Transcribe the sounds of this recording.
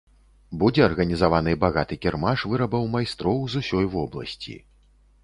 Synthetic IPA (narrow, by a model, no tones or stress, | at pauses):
bud͡zʲɛɐrɣɐnʲizavanɨbaɣat̪ɨkʲɛrmaʂvɨɾɐbɐwmajst̪ɾɔwzusʲɔjvɔblˠɐ̰sʲt͡sʲḭ